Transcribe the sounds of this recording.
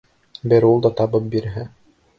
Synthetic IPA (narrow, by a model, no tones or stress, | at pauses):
bɘɾulˠd̪ɑt̪ɑbɤp̚biɾɦɘ